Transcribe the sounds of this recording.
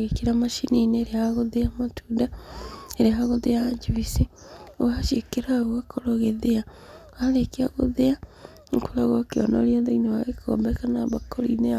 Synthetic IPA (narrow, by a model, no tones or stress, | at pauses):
ekiɾamaʃinineːɾeahaɣoðeamatʰuːdaeɾeaɦaɣoðead͡ʒiβisi | owaʃekeɾaɣwakʰoɾoɣeðea | aɾekiaɣoðea | ŋkoɾaɣokeɔ̰no̰ljaðeinowaɣeko̰ːmbɛkanaβakoɾḭne